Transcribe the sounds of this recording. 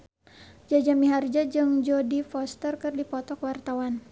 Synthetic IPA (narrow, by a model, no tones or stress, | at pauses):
d͡ʒad͡ʒamiɦard͡ʒad͡ʒɨŋd͡ʒodifɔst̪ərkɨrdipɔt̪ɔkwart̪awan